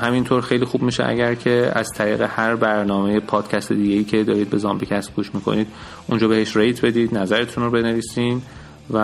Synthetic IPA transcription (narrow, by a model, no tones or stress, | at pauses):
hæmint̪ʰoɾxe̞jliːxub̚miːʃḛʔæ̰ɟæɾcʰe̞æz̥t̪ʰæɾiːɣḛhæɾbæɾnɒːme̞je̞pʰɒːd̪̥cʰæst̪ʰe̞d̪iːɟe̞jiːcʰe̞d̪ɒːɾiːd̪̚be̞zɒːmbecʰæsb̚ɡ̥uːʃmiːkʰo̰niːd̪ | ʔund͡ʒɒːbe̞he̞ʃɾejt̪ʰbe̞d̪iːd̪næzæɾet̪ʰunrobe̞ne̞viːsiːn | væ